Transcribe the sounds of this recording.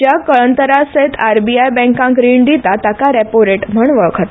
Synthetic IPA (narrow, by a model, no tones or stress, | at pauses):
d͡ʑjakəɭənt̪əɾaset̪ʰaɾbiajbɛ̃ŋkãŋkɾiɳd̪it̪at̪akaɾɛpoɾeʈm̤əɳʋəɭkʰət̪